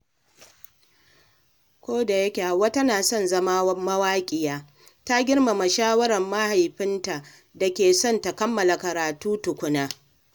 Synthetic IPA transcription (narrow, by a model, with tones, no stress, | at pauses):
kʷoː˦da˨jɐ˦kʲe˨ha˨wa˦tɐ˦naː˨sɔ˦˨nzɐ˦ma˦mɐ˦waː˦kʲʼɪ˨jaː˦ | ta˦ɡʲɪ˦rma˨ma˨ʃaː˦wɐ˦ɾɐ˨mːa˦ha˨jɸɪ˦nta˨ʔ | da˨kʲeː˨sɔ˦˨nta˨kɐ˦mːɐ˨la˨kɐ˨ɾaː˨tuː˦tʊ˨kʷʊ˦naː˦